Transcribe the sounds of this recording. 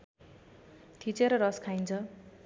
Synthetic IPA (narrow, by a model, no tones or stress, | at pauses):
t̪ʰit͡seɾʌɾʌskʰajnt͡sʰʌ